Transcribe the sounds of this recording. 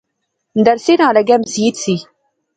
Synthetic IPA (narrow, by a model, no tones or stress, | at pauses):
nd̪ɐɾsenãːlɐɡɛmsiːt̪si